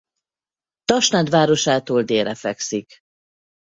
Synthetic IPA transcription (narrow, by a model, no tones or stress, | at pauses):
t̪ɒʃnaːd̪ʋaːɾo̞ʃaːt̪oːld̪eːɾɛfɛksik